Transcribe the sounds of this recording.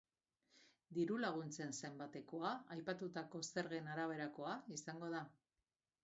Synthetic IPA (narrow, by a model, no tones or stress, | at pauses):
d̪iɾulaɣ̞unt͡se̞nse̞mbat̪e̞ko̞aajpat̪ut̪ako̞se̞ɾɣe̞naɾaβ̞e̞ɾako̞aisaŋɡo̞ð̞a